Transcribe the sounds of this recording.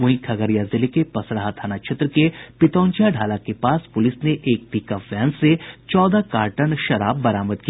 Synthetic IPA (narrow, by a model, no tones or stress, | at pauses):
ʊ̃ɦĩkʰɐɡəɾjazɪlekepɐsɾəɦat̪ʰaːnakʃʰet̪ɾəkepɪt̪ɔ̃ːnt͡ʃaɖʱaːlakepaːspʊlɪsneʔeːk̚piːkafɛːnsːet͡ʃɔːd̪akaːɾʈəɳʃɐɾaːbːɐɾaːməd̪ki